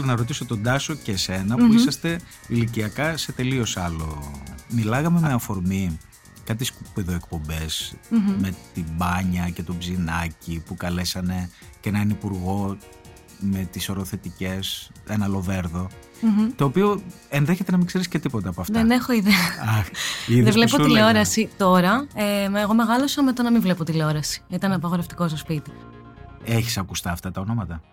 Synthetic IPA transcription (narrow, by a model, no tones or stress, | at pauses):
lnɐɾo̞t̪̬isot̪o̞d̪ɐso̞cese̞nɐpuisɐst̪e̞ | iliciɐkɐse̞t̪e̞lio̞sɐlomilɐɣɐme̞meɐfo̞ɾmi | kɐt̪isupeðoe̞k̚po̞mbe̞sme̞t̪ibɐɲɐce̞t̪o̞bzinɐcipukɐle̞sɐne̞ | cenɐnipuɾɣo̞ | me̞t̪iso̞ɾoθe̞t̪ice̞senɐlo̞ve̞ɾðo̞ | t̪o̞ːpio̞ | enðeçet̪enɐmiɡ̥se̞ɾisce̞t̪ipo̞t̪eɐpoɐfðene̞xo̞iðeɐɐxiððevlepoileo̞ɾɐsit̪o̞ɾɐeeɣo̞me̞ɣɐlo̞sɐmet̪onɐmiɱvlepot̪ileo̞ɾɐsi̥it̪ɐnpɐɣo̞ɾeft̪i̥ko̞s̬t̪ospit̪i̥ | e̞çi̥sɐkust̪ɐːft̪ɐt̪ɐono̞mɐt̪ɐ